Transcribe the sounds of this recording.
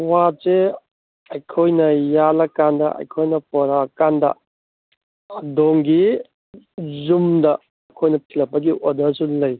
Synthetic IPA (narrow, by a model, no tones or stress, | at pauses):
wase | ɐjkʰojnɐjalɐkandɐ̰ɐ̰jkʰojnɐpɔɾakandɐ̰ | ɐdoŋɡi | zumdɐ | ɐkʰojnɐtʰilɐpːɐɡiʔodɐsulɐj